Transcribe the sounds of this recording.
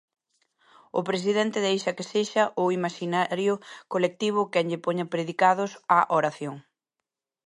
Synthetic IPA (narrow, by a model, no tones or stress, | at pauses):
ʊ̰pɾes̬iðɛnt̪ɪðejʃɐkeseʃɐʔʊimaʃinaɾjʊkolek̚t̪iβ̞ʊkɛŋʎɪpoɲapɾeðikað̞ʊsaʔoɾaθjoŋ